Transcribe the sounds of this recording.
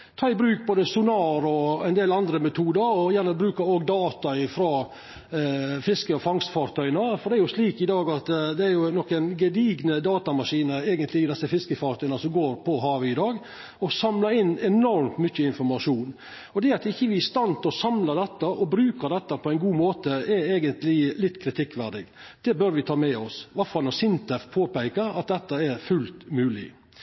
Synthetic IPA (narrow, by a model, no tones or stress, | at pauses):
t̪ʰɑːɪbɾʉːk̚boːd̪əsʊnɑːɾɔɛnd̪eːlɑnd̪ɾəmɛt̪ʰuːd̪əɾɔjænəbɾʉːkɑoːɡd̪ɑːt̪ɑɪfɾɑ | fɪskəɔfɑŋst̪fɑːɾt̪ʰœʏnɑfɔdɖɛæɾjʊsʂliːkɪd̪ɑːɡɑt̪d̪ɛæɾjʊnɔkːɛnɡɛd̪iːɡnəd̪ɑːt̪ɑmɑʂiːnəeːɡənt̪ʰlɪɪd̪ɛsːəfɪskəfɑːɾt̪œʏnɑsɔmɡoːɾpʰɔɦɑːʋəɪd̪ɑːɡ | ɔsɑmlɑɾɪnːɛnɔɾmt̪mʏçːəɪnfɔɾmɑʂuːn | ɔd̪ɛɑt̪ɪçːəʋɪɪst̪ɑnt̪ʰɪɔsɑmlɑd̪ɛt̪ːəʔɔbɾʉːkəɾd̪ɛt̪ːəpʰɔæɛɪnɡuːmoːt̪əɛɾeːɡənt̪lɪlɪt̪ːkʰɾɪt̪ʰɪkːʋæɖ̪ɪɡd̪̥ɛbœɾʋɪt̪ʰɑːmɛɔsʋɑɾfɑlnɔsɪnt̪ɛfpʰoːpæɪkəɾɑ̰t̪̚d̪ɛt̪ːəɛɾfʉlt̪mʉːlɪ̰